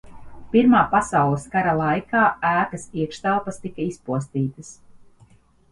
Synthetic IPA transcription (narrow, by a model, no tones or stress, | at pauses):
piɾmaːpasawlˠskaɾalˠajkʰaːæːkɐsiɛkʃt̪alˠpɐst̪ikaispuɔst̪iːt̪ɐs